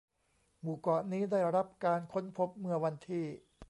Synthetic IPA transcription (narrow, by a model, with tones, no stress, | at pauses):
muː˨˩kɔ˨˩ʔniː˦˥daː˥˩ɾɾa˦˥p̚kaː˧nkʰo˦˥npʰo˦˥p̚mɯ˧ɐwa˧nt̪ʰiː˥˩